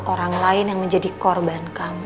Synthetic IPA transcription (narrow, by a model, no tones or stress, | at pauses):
ʔoɾaŋlaɪnjaŋməɲd͡ʒadikɔrbankami